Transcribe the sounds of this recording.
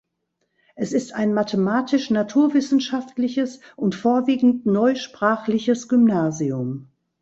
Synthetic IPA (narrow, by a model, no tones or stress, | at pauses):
ʔɛsɪstaɪnmatʰəmaːtʰɪʃnatʰuːɐvɪsn̩ʃaftlɪçəsʔʊntfoːɐviːɡŋ̩tnɔʏʃpʁ̥aːχlɪçəsɡ̥ʏmnaːziʊm